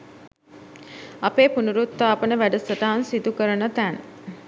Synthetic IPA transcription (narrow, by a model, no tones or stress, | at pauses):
apeːpunuɾut̪ːaːpənəʋæɖəsəʈaːnsid̪ukəɾənət̪æn